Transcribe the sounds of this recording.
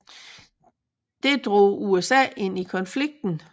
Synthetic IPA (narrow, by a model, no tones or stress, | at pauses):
d̥e̝d̥ʁo̝̰ːuesɛ̰ːe̝n̰ikʰɒ̽nfliɡ̥̚d̥n̩